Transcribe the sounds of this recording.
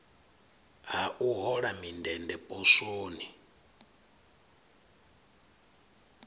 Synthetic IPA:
ɦaʔuɦɔɺamindɛndɛpʼɔsoːni

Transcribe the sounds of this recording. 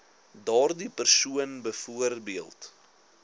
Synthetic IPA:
dɑːrdipərsuənbəfuərbiəlˠt

